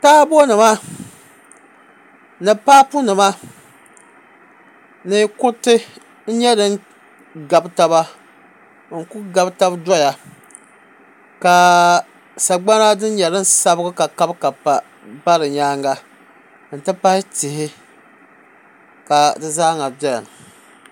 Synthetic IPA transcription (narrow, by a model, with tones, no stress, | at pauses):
taː˦bo˦nɨ˨ma˦ | nɨ˨paː˦pu˦nɨ˨ma˦ | nɨ˦kʊ˦tɨ˦ | n̩˦ɲɛ˦dɨ˦ŋ | ɡa˨bta˦ba˦ | ŋ̩˨ku˦ɡa˨bta˦bdɔ˦ja˨ | ka˨ | sa˨ɡ͡ba˦na˦dɨ˦n˦ɲɛ˨ɾɨ˦n˦sa˦bɨ˦ɡʊ˦ka˨ka˦bka˨a˨ | ba˦ɾɨ˨ɲaː˦ŋɡa˦ | n̩˨tɨ˦pa˦hɪ˦tɪ˨hɪ˦ | ka˨dɨ˨zaː˦ŋa˨bjɛ˦ln˨